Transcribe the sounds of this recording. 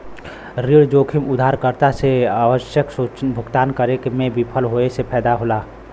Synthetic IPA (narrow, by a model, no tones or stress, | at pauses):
ɾiɽd͡ʒoːkʰimʊd̪ʱaːɾkəɾt̪aseaːʋəʃjəksut͡ʃbʱʊɡt̪aːnkəɾekmẽbipʰəlɦoːesepʰɛːd̪aɦoːlaː